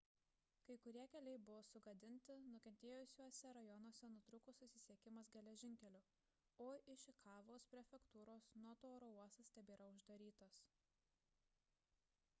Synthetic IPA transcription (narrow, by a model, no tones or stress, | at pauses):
kɐɪkʊɾʲiɛkʲɛlʲɛɪbʊʋoːsʊɡɐd̪ʲɪnʲt̪ʲɪnʊkʲɛnʲt̪ʲeːjʊsʲuɔsʲɛɾɐjɔnuɔsʲɛnʊt̪ɾʊkʊsʊsʲɪsʲiɛkʲɪmɐs̬ɡʲɛlʲɛʒʲɪŋʲkʲɛlʲʊ | oːʔɪʃʲɪkʰɑːʋoːspʲɾʲɛfʲɛkt̪uːɾoːsnuɔt̪oːɾouɔsɐsʲt̪ʲɛbʲeːɾɐʊʒd̪ɐɾʲiːt̪os